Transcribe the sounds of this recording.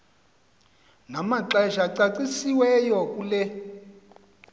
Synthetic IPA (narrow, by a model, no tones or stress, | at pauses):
namaǁɛʒaǀat͡sisiwɛjɔkulɛ